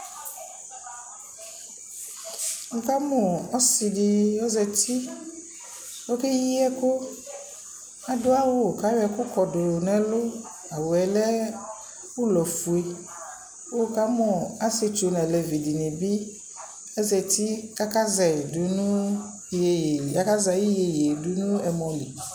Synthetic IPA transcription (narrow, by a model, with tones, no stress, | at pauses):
wo˨ka˦mɔ̃˨ɔ˦si˨ɖi˨wo˦zɛ˨t̪i˦ | wo˦ke˦ji˦ɛ˦ko˦ | a˦do˦a˦wo˦˨ka˦wɛ˨ko˦kɔ˨do˨nɛ̃˨lo˦ | a˨wo˨ɛ˨lɛ˦ | wu˦lɔ˨fu˨e˨ | wo˦ka˦mɔ̃˨a˦se˨t͡ʃo˨nɛ̃˨lɛ˨vi˨di˨nɛ̃˨bi˦ | ɛ˦zɛ˨t̪i˦ka˦ka˦zɛ˨du˨nũ˦ | e˨ja˦ka˦zɛ˨ji˦je˨je˨du˨nũ˦ɛ˨mɔ̃˨li˨